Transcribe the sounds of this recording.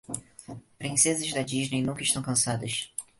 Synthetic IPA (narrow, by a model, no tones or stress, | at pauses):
pɾĩsezɐzd̪ɐd͡ʒiʒnejnũŋkɐɪʃt̪ɐ̃w̃kɐ̃sad̪ɐʃ